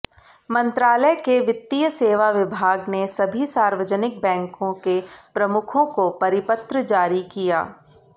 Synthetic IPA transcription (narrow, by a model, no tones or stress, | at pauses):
mɐ̃nt̪ɾaːləjkeʋɪt̪ːijəseːʋaʋɪbʱaːɡnesɐbʱisaːɾʋəd͡ʒənɪk̚bɛ̃ːŋkõkepɾɐmʊkʰõkopɐɾɪpət̪ɾəd͡ʒaːɾikija̰ː